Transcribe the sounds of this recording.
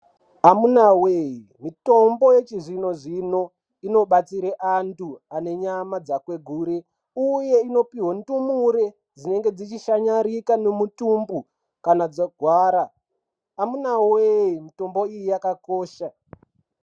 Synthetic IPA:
amunaweimito̞mbo̞je̞t͡ʃiʐino̞ʐino̞ | ino̞ɓat͡siɾeʔantuane̞ɲamad͡zakwe̞ɡʱuːɾe | uje̞ino̞piɦwondumuɾe | d͡zine̞ŋɡe̞d͡zit͡ʃiʃaɲaɾikane̞mutumbu | kanad͡zaɡʱwaːɾaː | munaweimito̞mbo̞ijijakako̞ːʃa

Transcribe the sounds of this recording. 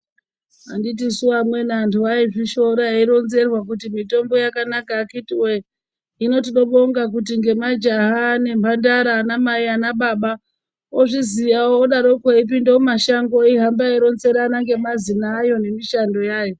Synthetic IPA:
andit̬isuamwe̞nantʰuaiʐiʃo̞ɾaiɾo̞nze̞rwakutimito̞mbo̞jakanakaːkitiwe | ino̞t̬iɗo̞ɓo̞ŋɡak̬ut̬iŋɡe̞mad͡ʒaɦane̞mbʱandaɾanamaianaɓaɓa | oʐiziʋawoːɗaɾo̞kwaip̬indeomaʃaŋɡo̞iɦambaiɾo̞nze̞ɾanaŋɡe̞mazinaːjo̞ne̞miʃando̞jaːjo

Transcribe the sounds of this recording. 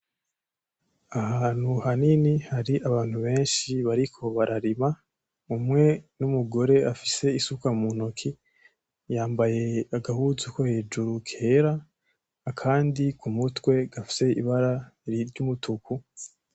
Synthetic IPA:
ahaːn̥huhaninihaɾiaβaːn̥huβe̞ːnʃiβaɾikʰo̞βaɾʔaɾima | umŋe̞numuɡo̞ɾe̞afi̥se̞isukamunokʰi | jaːmbaje̞aɡahuzukohe̞ːd͡ʒuɾukʰeɾaː | kʰaːndikʰumutwe̞ɡafi̥se̞ḭβaɾaɾiɾɟumutʰuku

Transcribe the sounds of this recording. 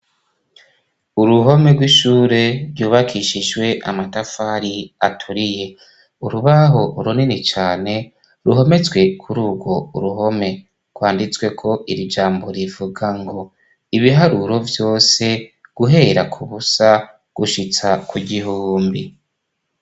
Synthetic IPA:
uɾuɦo̞me̞ɡwiʃuːɾe̞ɾjuːβakʰiʃiʒwe̞ʔa̰matafaɾia̰tʰuɾije̞ | uɾuβaɦo̞uɾuninit͡ʃaːne̞ | ɾuɦe̞me̞t͡swe̞kʰuɾuːɡwo̞uɾuɦo̞me̞ | ɡ̥waːndit͡swe̞kʰo̞ʔiɾid͡ʒaːmbo̞ɾivuɡaŋɡo̞ | iβiɦaɾuɾo̞vjo̞ːse̞ɡ̥uɦe̞ːɾakʰuβusa | ɡ̥uʃit͡sakuɟiɦuuːmbi

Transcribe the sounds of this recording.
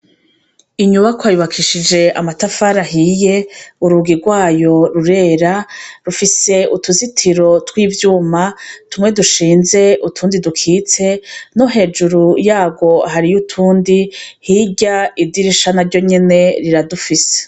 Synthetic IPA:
iɲuβakwaːjuβakʰiʃid͡ʒe̞ʔamatafaɾaɦiːje̞uɾuɡiɾɡwaːjo̞ɾuɾe̞ɾaɾufise̞utuzitʰiɾo̞twiːvjuːmatumŋe̞duʃiːnze̞utʰuːndidukʰiːt͡se̞noɦe̞ːd͡ʒuɾujaːbɡo̞ɦaɾijutʰuːndihiɟaidiɾiʃanaɾɟo̞ɲe̞ne̞ɾiɾadufise̥

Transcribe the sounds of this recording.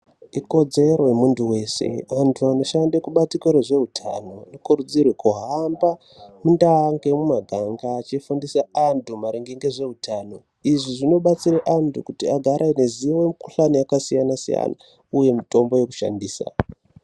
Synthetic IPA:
iko̞d͡ze̞ɾo̞jemuntuwe̞ːse̞̰ʋantʰuano̞ʃandekuɓatikoɾeʐe̞ɦutʰa̰no̞nekuɾud͡zirwekuɦamba | mundaŋɡe̞mumaɡʱaŋɡaːt͡ʃifundisaandʱumaɾiŋɡeŋɡeʐe̞ɦutʰaːno̞ | iʐiʐino̞ɓat͡siɾeʔandʰukutiaɡʱaɾʔaine̞ziwemuku̥ɬanijakasijanasḭja̰na̰ | uje̞mito̞mbo̞je̞ku̥ʃa̰ndiːsa̰

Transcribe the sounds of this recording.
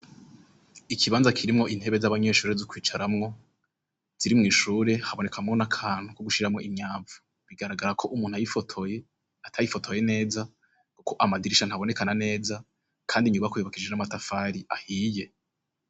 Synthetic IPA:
ikʰiβaːnzakʰiɾimŋo̞ʔin̥he̞βe̞zaβaɲe̞ːʃuːɾe̞zokwiːt͡ʃaɾamŋo̞ | z̥iɾimŋiːʃuːɾe̞haβo̞ne̞kʰamŋo̞nakʰaːn̥hukoɡuʃiɾamŋo̞̰ʔimɲaːɱvu̥ | βiɡaɾaɡaɾakʰo̞ʔumuːn̥uajifo̞tʰo̞je̞ | atʰajifo̞tʰo̞je̞ne̞ːza | kukʰo̞ʔamadiɾiʃanhaβone̞kanane̞ːza | kʰaːndiɲuβakojoβakid͡ʒe̞namatafaːɾiʔahiːje̞

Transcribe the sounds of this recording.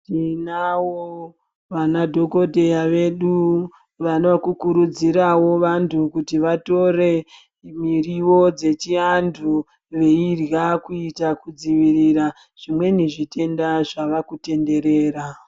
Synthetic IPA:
tinawo | ʋanadʱo̞ko̞dʱe̞jaʋe̞ɗu | ʋanoakukuɾud͡ziɾawo̞ʋantʰukutiʋato̞re̞ | miriwo̞d͡ze̞t͡ʃiandʰʱu | ʋeirjakuitakud͡ziʋiriɾa | ʐ̥imwe̞niʐite̞ndaʐaʋakute̞nde̞ɾe̞ːɾa

